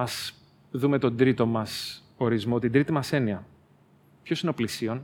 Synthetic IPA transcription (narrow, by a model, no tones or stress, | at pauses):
ɐs | ðume̞t̪o̞nd̪ɾit̪o̞mɐs | o̞ɾizmo̞t̪ind̪ɾit̪imɐse̞niɐ | pço̞sineo̞plisio̞n